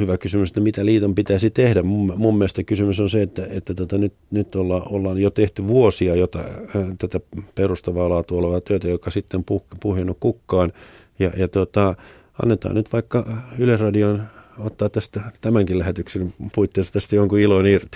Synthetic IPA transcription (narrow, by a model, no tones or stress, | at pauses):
hyʋækysymyset̪ːæmit̪æliːt̪ompit̪æisit̪ehdæmmummumːest̪ækysymysonseet̪ːæet̪ːæt̪uot̪ɑnyt̪nyt̪ːolːɑːʔolːɑːnjot̪eht̪yʋuosiɑjot̪ɑ̰t̪æt̪æperust̪ɑʋɑːlɑːt̪uoleʋɑt̪øit̪æjokːɑsit̪ːempupuhjɑnːukkukːɑːn | jɑjɑt̪ot̪ɑ | ɑ̰nːet̪ɑ̰ːnyt̪ʋɑikːɑyløsrɑdionot̪ːɑːt̪t̪æst̪æt̪æmæŋkilæhet̪yksenpuit̪ːeːst̪ɑt̪æst̪æjoŋkuiloinirt̪i̥